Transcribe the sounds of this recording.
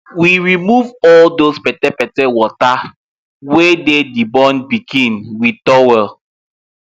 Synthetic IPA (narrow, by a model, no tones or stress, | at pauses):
wiɹimuvɔldospɛtɛpɛtɛwɔta | wededibɔ̃nbiɡĩnwitɔwɛ